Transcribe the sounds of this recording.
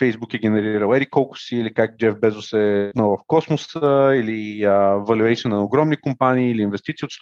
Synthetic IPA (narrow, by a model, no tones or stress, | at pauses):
fɛjzbukɛɡʲɛnɛɾiɾəlˠɛd̪ikɔlˠkʊ̥siːlikak̚d͡ʒɛvbɛzʊsɛnəvɐfkɔsmʊsəiliəvɐlʲuɛt̪siənənɐʊɡɾɔmnikʊmpaniːliːnvɛst̪it̪siot̪st̪